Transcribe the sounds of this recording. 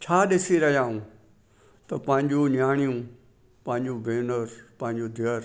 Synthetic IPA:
t͡ɕʰaːɗɪsiɾɐɦijaːɦũ | t̪ɐpɐ̃ɦɪ̃ɲd͡ʑunjaːɽ̃ijũ | pɐ̃ɦɪ̃ɲd͡ʑũbʱeːnəɾpɐ̃ɦɪ̃ɲd͡ʑod̪ʱjəɾ

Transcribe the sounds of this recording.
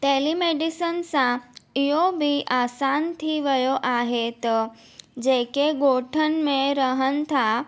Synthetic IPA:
t̪elimeɖisənsãjobʱiʔasant̪ʰiʋəjoʔaɦet̪ | d͡ʑekeɡoʈʰənmẽɾəɦənt̪ʰa

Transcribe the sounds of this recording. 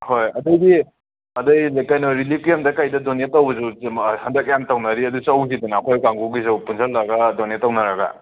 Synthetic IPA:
hojɐdɐjɡi | ɐdɐjlakajnoɾilip̚ʰijamdɐkajdɐdonetːawbɐzuhɐndɐk̚jamtawnɐɾiɐdut͡ʃawzidɐnaːkʰojkaŋɡuɡizɐwpunzʰɐllɐɡɐdonetːawnɐɾɐɡa̰

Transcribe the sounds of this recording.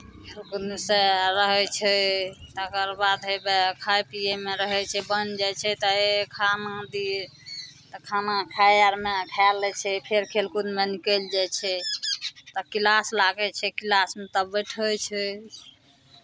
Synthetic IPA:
kʰelkunmeseɾəɦɛt͡ʃʰɛt̪əkəɾbad̪ɦebekʰajpiemeɾəɦɛt͡ʃʰɛbənd͡ʒajt͡ʃʰɛt̪ɔekʰanad̪i | t̪ɔkʰanakʰajaɾmekʰalːɛt͡ʃʰɛpʰeɾkʰelkunmenikəld͡ʒajt͡ʃʰɛ | t̪ɔkilaslaɡɛt͡ʃʰɛkilasmet̪əbəjʈʰəjt͡ʃʰɛ

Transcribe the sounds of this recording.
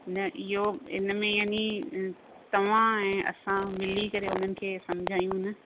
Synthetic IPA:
nɐʔɪɦoɪ̰nmẽjaːni | t̪ɐʋ̤ãɛ̃ːʔɐ̰sãmɪlikɐɾeʊn̤ənɪ̆kʰeːsɐmd͡ʑʱaːjũnɐ

